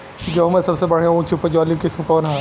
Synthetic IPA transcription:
d͡ʒoɦmɐsɐbsebɐɽ̤eõt͡ʃʰʊpd͡ʒɔːlikɪsmkɔːnɦaː

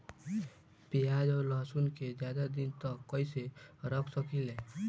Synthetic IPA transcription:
pijad͡ʒɔːɾləɦsunked͡ʒjad̪ad̪int̪əkːəjseɾəkʰsəkilẽ

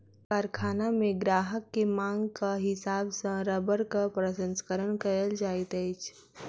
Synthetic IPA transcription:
kaːɾkʰaːnamẽɡɾaːɦəkːemãːŋɡkaɦɪsaːbsɐ̃ɾəbəɾkapɾəʃə̃nskəɾənkɐɾəld͡ʒaːɪt̪əɪt͡ʃʰ

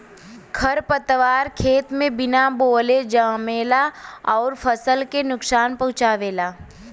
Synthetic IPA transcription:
kʰɐɾpət̪ʋaːɾkʰeːt̪mẽbɪnaboːled͡ʒaːmeːlaɔːɾfʰəsəlkenʊksaːnpɐ̃ɦʊ̃t͡ʃaːʋeːlaː

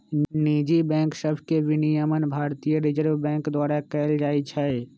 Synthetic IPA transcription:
niːd͡ʒibɛ̃ːŋkʃəbʱkeʋɪnijəmənbʱaːɾt̪ijəɾɪd͡ʒəɾʋbɛ̃ːŋkd̪waːɾakɛːld͡ʒaːit͡ʃʰɛ

